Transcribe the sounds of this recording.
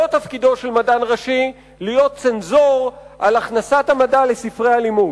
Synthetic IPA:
otafkido̞ʃe̞lmadanʁaʃi | lijo̞t̪̚t͡senzo̞ʁʔalaχnasatamadale̞sifʁealimu

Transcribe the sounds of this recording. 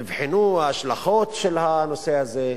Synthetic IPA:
ivħinuaːʃlaχo̞t̪ʃelhano̞se̞aze

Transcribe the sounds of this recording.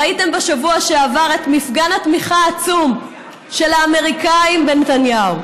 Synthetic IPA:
aite̞mbeʃavuaʃeavaʁe̞tmifɡanhatmiχaːt͡sum | ʃe̞laːme̞ʁikaimbenet̪anjau

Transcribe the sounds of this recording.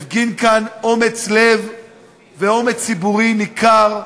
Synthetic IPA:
fɡinkano̞met͡sle̞v | veo̞me̞t͡sibuʁimikʰaʁ

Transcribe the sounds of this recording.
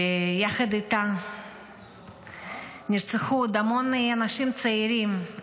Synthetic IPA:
ejaxad̪it̪a | niɾt͡sexud̪amoneanaʃimt͡saiɾim

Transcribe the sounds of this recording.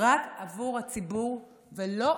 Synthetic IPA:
ʁakavuʁhat͡sibuʁ | velo̞

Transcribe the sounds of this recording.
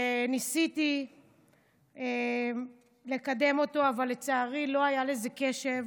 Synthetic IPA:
nisit̪i | e | le̞kade̞mo̞to̞avalːet͡saːʁilo̞ajale̞ze̞ke̞ʃe̞v

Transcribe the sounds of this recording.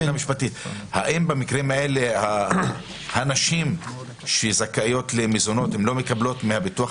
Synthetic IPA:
namiʃpat̪it̪ha̰ʔimbamikʁeimaeleha | haːnaʃim | ʃezakajo̞t̪lemizonot̪hemlo̞mekablo̞t̪mehabit̪ua

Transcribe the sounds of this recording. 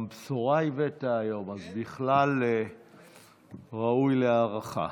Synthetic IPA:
mbsoʁaivetaːjo̞mazbiχlale | ʁaujleaːʁaχa̰

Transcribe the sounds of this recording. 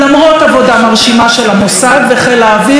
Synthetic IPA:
amʁo̞tavo̞damaʁʃimaʃelamosadveχejlaːvi

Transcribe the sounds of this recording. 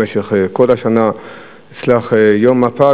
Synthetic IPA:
eʃeχkolaʃana | it͡slaχjomːapa

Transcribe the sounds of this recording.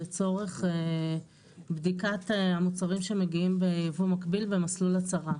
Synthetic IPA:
et͡so̞ʁe̞χe | bd̪ikat̪amut͡saʁimʃe̞me̞ɡiimbe̞javumakbilvemaslulat͡saʁa

